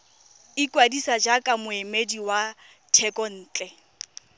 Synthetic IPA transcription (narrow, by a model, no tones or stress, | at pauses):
ɪkwadisad͡ʒakʼamʊemediwa | tʰɛkʼɔn̩ːt͡ɬʼɛ